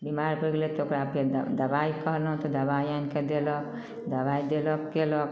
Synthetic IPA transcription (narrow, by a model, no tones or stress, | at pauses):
bimaɾpəɡlet̪okɾaːped̪ɐbaikəɦlɦũt̪ɔd̪ɐbajanked̪elɔk | d̪ɐbajd̪elɔkkelɔk